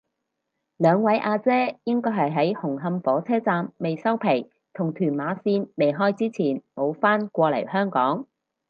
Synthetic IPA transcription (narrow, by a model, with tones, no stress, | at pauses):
lœː˨˧ŋwɐ˨˥jʔaː˧t͡sɛː˥jɪ˥ŋkɔː˥jɦɐ˨jɦɐ˨˥jhʊ˨˩ŋɦɐ˧mfɔː˨˥t͡sʰɛː˥t͡saː˧mːe˨jsɐ˥wpʰe˨˩j | t̪ʰʊ˨˩ŋt̪ʰyː˨˩nmaː˨˥siː˧nme˨jɦɔː˥jt͡siː˥t͡sʰiː˨˩nmo˨˧wfaː˥nkʷɔː˧lɐ̰˨˩jhœː˥ŋkɔː˨˥ŋ